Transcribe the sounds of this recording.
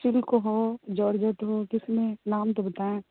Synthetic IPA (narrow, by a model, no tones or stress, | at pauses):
ʃɪlkoɦod͡ʒɔːɽd͡ʒət̪ɦoːkɪsmẽnaːmt̪obət̪aːẽ